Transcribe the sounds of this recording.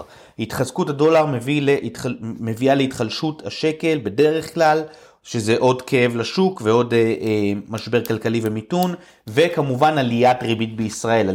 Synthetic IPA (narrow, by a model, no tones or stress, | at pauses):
it̪χazkuthado̞laʁmevilemevialeit̪χalʃuthaʃe̞ke̞lbe̞de̞ʁe̞χklal | ʃezeʔo̞dkʰe̞e̞vlaʃukveo̞d | maʃbe̞ʁkalkalive̞mitun | ve̞kamuvanaliatʁibitbeisʁae̞la